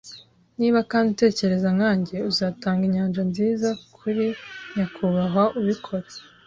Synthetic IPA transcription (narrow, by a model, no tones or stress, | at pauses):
niːβakaːnute̞ːce̞ɾe̞zaŋaːɲɟe̞uzaːtaːŋɡiɲaːnʒanziːzakʰuɾiɲakʰuβaɦaʔuβikʰo̞ɾe